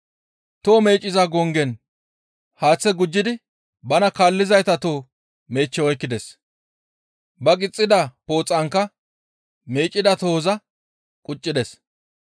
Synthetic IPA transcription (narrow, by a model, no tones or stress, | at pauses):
t̪oːme̞ːt͡ʃʼːɪzɐɡɔŋɡɛn | haːt͡sːɛɡʊd͡ʒːɪd̪ɪ | bɐnɐkaːlːɪzɐjt̪ɐt̪oː | me̞ːt͡ʃːɛɔjkːɪd̪ɛs | bɐɡʼɪt͡sʼːɪd̪ɐpo̞ːt͡sʼːɐŋkːɐ | meːt͡ʃʼːɪd̪ɐt̪oːzɐ | kʼʊt͡ʃʼːɪd̪ɛs